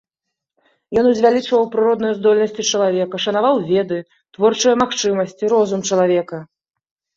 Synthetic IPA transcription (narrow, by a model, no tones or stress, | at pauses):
jɔnuzʲvʲalʲit͡ʂvɐwpɾɨɾɔd̪nɐjɐzd̪ɔlʲnɐsʲt͡sʲit͡ʂɐlˠavʲɛkɐʂɐnavawvʲɛd̪ɨ | t̪vɔrt͡ʂɐjɐmaxt͡ʂɨmɐsʲt͡sʲiɾɔzumt͡ʂɐlˠavʲɛkɐ